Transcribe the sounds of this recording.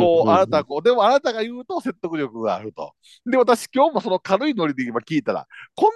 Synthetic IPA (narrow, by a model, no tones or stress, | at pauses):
oːanat̪akoːd̪e̞mo̞anat̪aɡajɯ̟ːt̪o̞se̞t̪ːo̞kɯ̟ɾʲo̞kɯ̟ɡa̰ːɾɯ̟t̪o̞̰ | d̪e̞βat̪aɕi̥kʲo̞ːmo̞so̞nokaɾɯ̟ino̞ɾʲid̪eimakʲiːt̪aɾa̰kõ̞n